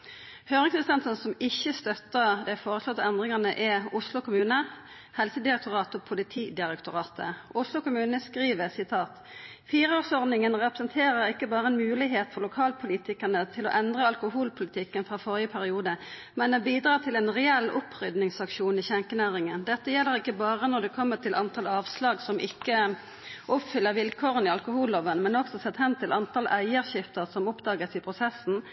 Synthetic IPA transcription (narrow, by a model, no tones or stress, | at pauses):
høːʁɪŋsəst̪ɛnt̪ənsɔmɪçːəst̪œt̪ːəʁd̪ɛfoːʁəslɔt̪ːɛnd̪ʁɪŋɑnəʔɛʊslʊkʰʊmʉːnə | hɛlsəd̪ɪɾɛk̚t̪ʊʁɑːt̪ʊpʰʊlɪt̪ʰiːd̪ɪɾɛkt̪ʊʁɑːt̪ʰəʊslʊkʊmʉːnəskʁiːʋəsɪt̪ʰɑːt̪ | fiːɾəoːʁsɔʁd̪nɪŋənʁɛpɾə̥sənt̪ʰeːʁəɾɪkːəbɑːʁəɛːnmʉːlɪɦeːt̪fɔʁlʊkʰɑːlpʰʊliːt̪ɪkənət̪ʰɪlo̰ːʔɛnd̪ʁəɑlkʊɦuːlpʰʊlɪt̪ʰɪkːənfɾɑːfɔʁɪəpʰæɾɪuːd̪ə | mɛnbiːd̪ɾɑːt̪ʰɪlɛːnʁɛɛlːʊpʰːʁʏd̪nɪŋsɑkʂuːnɪçɛŋkənæːʁɪŋənd̪ɛt̪ːəjɛlːəɾɪkːəbɑːʁənɔd̪ɛkʰɔmːət̪ʰɪlʔɑnt̪ʰɑlɑːʋslɑːɡsɔmʔɪkːə | ʔʊpfʏlːəɾʋɪlkʰoːʁənɪɑlkʊhuːlːoʋənəmɛnɔksɔsɛt̪ːhɛmt̪ʰɪlɑnt̪ʰɑlʔæɪəʁçɪft̪əʁsɔmʊpd̪ɑːɡəsɪpʰʁʊsɛsːn̩